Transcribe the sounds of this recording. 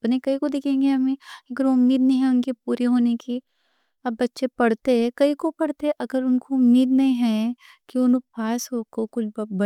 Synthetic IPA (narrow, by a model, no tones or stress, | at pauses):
pnẽkɐɦikod̪ɪkʰẽːŋɡeɦɐmẽɐɡəɾoʊmːiːd̪nɐɦĩɦɛ̃ʊnkipuːɾiɦoːneki | ɐbːɐtːʃepɐɽ̤t̪eɦɛ̃kɐɦikopɐɽt̪eɦɛʔɐɡəɾʊnkoʊmːiːd̪nɐĩɦɛ̃ | kiʊnõpʰaːsɦokokʊlbbɐ